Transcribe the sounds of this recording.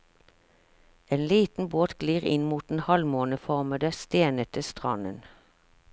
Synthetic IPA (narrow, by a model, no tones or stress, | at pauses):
eːnliːt̪n̩boːt̪ɡ̥liːʁɪ̰nmuːt̪̚n̩hɑlmoːnəfɔʁməd̪əst̪eːnət̪ʰəst̪ʁɑ̰nə̰n